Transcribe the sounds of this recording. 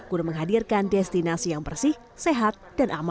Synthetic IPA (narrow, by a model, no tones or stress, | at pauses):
kunaməŋɦadirkandɛst̪inasijaŋbərsɪh | seɦat̪̚d̥anʔama